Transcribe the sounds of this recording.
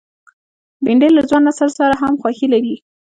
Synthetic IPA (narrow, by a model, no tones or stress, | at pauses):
bɪɳɖelazwɑnasaɾsaɾaɦamxwaxilaɾi